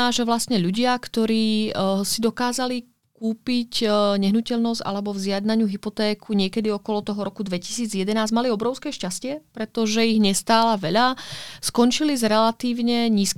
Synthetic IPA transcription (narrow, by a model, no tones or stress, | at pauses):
aːʒɛʋlast̪ɲɛʎuɟɪakt̪ɔɾiːsid̪ɔkaːzali | kuːpicɲɛɦnucɛʎnɔzɟ̥ʔa̰lɛbɔvzɪad̪naɲuːɦipɔt̪ɛːkʰuɲɪɛkɛd̪iɔkɔlɔt̪ɔɦɔɾɔkud̪ʋɛci̥siːd͡zjɛd̪ɛnaːzmaliɔbɾɔʊskɛːʃcascɪɛpɾɛt̪ɔʒɛiɣɲɛst̪aːlaʋɛʎaskɔnt͡ʃilizɾɛlat̪iːʊɲɛɲiːsk